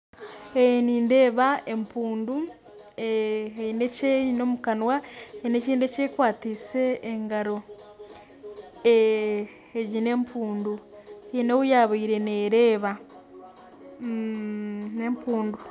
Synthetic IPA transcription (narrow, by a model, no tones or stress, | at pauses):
eniːnde̞ːβaʔe̞mpuːndu | eineceino̞ːmukanwaeineciːndece̞ːkwaːtiːse̞ːŋɡaɾo̞ | eː | ɟine̞mpʰuːndueinewujaːβaiɾe̞ne̞ɾe̞ːβa | ne̞mpuːndu